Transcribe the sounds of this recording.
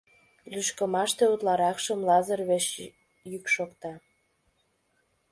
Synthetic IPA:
lyʃkə̆mɑʃt̪eut̪lɑɾɑkʃəmlɑzərβeʃ | jykʃokt̪ɑ

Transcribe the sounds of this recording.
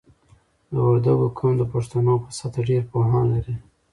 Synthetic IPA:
d̪əaɾd̪aɡokʰʊnd̪əpaʂt̪anopəsat̪aɖeɾpoɦɑnlaɾi

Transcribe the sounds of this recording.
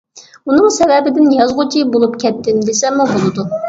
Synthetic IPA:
unɨŋsɛvɛbɪd̪ɪnjɑzʁʊt͡ʃʰibolˠupkʲʰɛt̪ːɪmd̪esɛmːubolˠɨd̪u

